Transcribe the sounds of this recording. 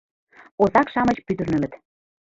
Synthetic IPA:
ozɑkʃɑmə̆t͡ɕpyd̪ə̆rnə̆mə̆t̪

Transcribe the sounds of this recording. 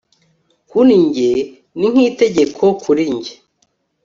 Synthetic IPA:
huniɲɟe | niŋ̥hiːte̞ɟekʰokʰuɾiɲɟe

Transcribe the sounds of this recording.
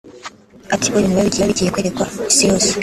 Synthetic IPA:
atiβoβinuβaβiɟiaβiɟijekwe̞ːɾekwaisiɾosi̥

